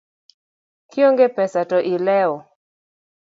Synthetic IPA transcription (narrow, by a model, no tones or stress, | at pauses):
kjoŋɡepɛsatɔʔilɛɔ